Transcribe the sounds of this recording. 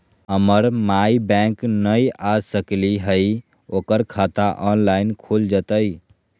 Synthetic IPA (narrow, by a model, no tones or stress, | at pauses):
əməɾmaibɛ̃ŋknəjasəkliɦəj | oːkəɾkʰat̪aʔɔnlaɪnkʰold͡ʒət̪əj